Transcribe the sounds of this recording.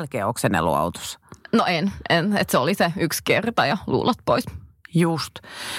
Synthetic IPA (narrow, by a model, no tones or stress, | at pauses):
lkeːoksenḛlo̰ɑ̰ut̪o̥snoʔenʔenḛt̪seoliseykskert̪ɑjɑlṵːlɑt̪̚poisjust̪